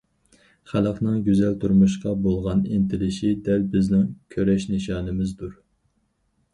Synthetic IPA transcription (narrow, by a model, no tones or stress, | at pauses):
χælˠəqnɨŋɡʲøzɛlt̪ʰuɾmuʃqɑbolˠʁɑnent̪ʰɪlɪʃid̪ɛlbɪznɪŋkʲʰøɾɛʃneʃɑːnɨmɪzd̪uɾ